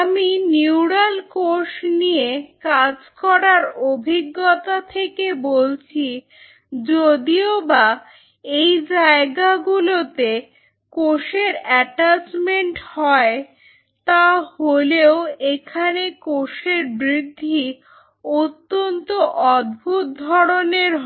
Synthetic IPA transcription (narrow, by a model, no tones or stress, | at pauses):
aminiwɽalkoʃniekad͡ʑkɔɾaɾobʱiɡːot̪at̪ʰekebolt͡ɕʰi | d͡ʑod̪ioba | ejd͡ʑaeɡaɡulot̪e | koʃeɾɛʈad͡ʑmeɳʈhɔe | t̪aholeoekʰanekoʃeɾbɾid̪ʱːi | ot̪ːont̪oʔɔd̪̚bʱut̪̚d̪ʱɔɾoneɾɦ